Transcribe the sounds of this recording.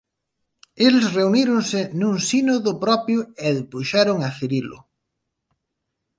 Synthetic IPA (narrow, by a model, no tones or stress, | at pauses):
elsreuniɾʊŋsɪnũŋsinoðʊpɾɔpjʊɛðepuʃaɾʊŋaθeɾilʊ̰